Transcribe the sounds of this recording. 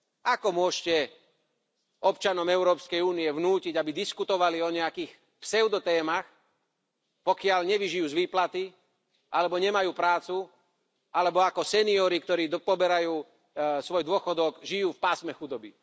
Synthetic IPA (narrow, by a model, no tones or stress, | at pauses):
akɔmʊɔʃcɛ | ɔpt͡ʃanɔmɛʊɾɔːpskɛjuːniɛʋnuːciɟabid̪iskut̪ɔʋaliɔɲɛakiːx | psɛʊd̪ɔt̪ɛːmax | pɔkɪaʎɲɛʋiʒijuːzʋiːplat̪i | ʔalɛbɔɲɛmajuːpɾaːt͡su | alɛbɔakɔsɛniɔːɾikt̪ɔɾiːd̪pɔbɛɾajuː | sʋɔjd̪ʊɔxɔd̪ɔɡʒijuːfpaːsmɛxud̪ɔbi